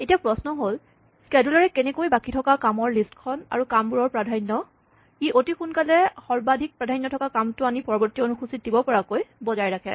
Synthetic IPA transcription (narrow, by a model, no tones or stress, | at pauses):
etiapɹɔsnɔɦol | skɛdulɔɹɛkɛnɛkojbakitʰɔkakamɔɹlistkʰɔna̰ɹukambuɹɔɹpɹadʱajnːɔ | iʔotixunkalɛxɔɹbadʱik̚pɹadʱajnːɔtʰɔkakamtʊanipɔɹɔbɔɹtiɔonuxʰusit̚dibɔpɔɹakojbɔzajɹakʰɛ̰